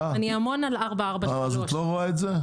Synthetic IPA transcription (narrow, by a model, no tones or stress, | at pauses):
aniamo̞nalaʁbaaʁbaavazot̪loʁoaetze